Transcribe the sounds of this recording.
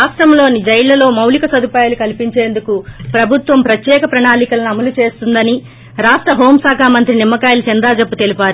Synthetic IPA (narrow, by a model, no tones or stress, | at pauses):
aːʂʈɾɐmlo̞ːnid͡ʒɐjlːɐlo̞ːmɐwlikɐsɐd̪upaːjalukɐlipiɲt͡ʃe̞ːnd̪ukupɾɐbʱut̪ʋɐmpɾɐt̪jɛːkɐpɾɐɳaːlikɐlɐniɐmɐlut͡ʃe̞ːst̪und̪ɐni | ɾaːʂʈɾɐɦoːmsaːkʰaːmɐnt̪ɾinimːɐkaːjlɐt͡ʃind̪aːd͡ʒɐpːut̪e̞lipaːɾu